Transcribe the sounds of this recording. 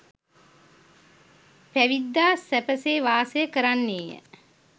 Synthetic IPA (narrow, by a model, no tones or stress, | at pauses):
pæʋid̪ːaːsæpəseːʋaːsəjəkəɾanːeːjə̰